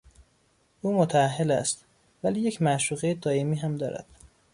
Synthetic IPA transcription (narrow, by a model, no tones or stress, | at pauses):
ʔuːmot̪ʰæːɦːelæst̪ | væliːjecʰmæʃuːɣejed̪ʰɒːiːmiːɦæmd̪ɒ̰ːɾʔæ̰d̪̥